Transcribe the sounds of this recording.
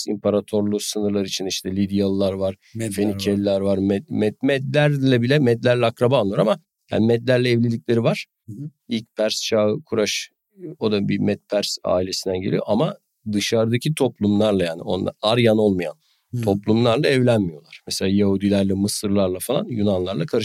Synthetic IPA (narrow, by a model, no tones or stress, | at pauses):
sḭmpʰaɾat̪ʰo̞ɾlˠusɯnɯɾlˠaɾɯit͡ʃʰiniʃt̪ʰɛlʲid̪ijalˠɯlˠaɾvaɾ̥ | fenicʰelːʲæɾvaɾmɛd̪mɛd̪̚mɛd̪lʲæɾlʲɛbilʲɛmɛd̪lʲæɾlʲɛakɾabaːlˠːuɾama | ja̰ːnimɛd̪lʲæɾlʲɛːvlʲilʲicʲlʲe̞ɾivaɾ̥ | ilʲc̚pʰæɾst͡ʃʰaːɯkʰuɾaʃ | o̞d̪abimɛt̪̚pʰæɾsa̰ːilʲe̞sind̪ænɟe̞lʲijoʔama | d̪ɯʃaɾd̪acʰit̪ʰo̞plˠumlˠaɾlˠajaːnio̰na̰aɾjano̞lˠmaja̰n | t̪ʰo̞plˠumlˠaɾlˠaɛvlʲænmijo̞lˠaɾ̥mɛselʲaːjaɦud̪ilʲæɾlɛmɯsɯɾlˠaɾlˠafalˠa̰njunanlˠaɾlˠakʰaɾɯ